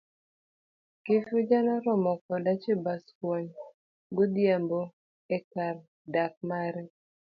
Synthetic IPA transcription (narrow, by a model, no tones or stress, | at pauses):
kɪfʊd͡ʒanɔɾɔmɔkɔdat͡ʃebaskwɔɲ | ɡod̪jambo | ekar | dak̚maɾɛ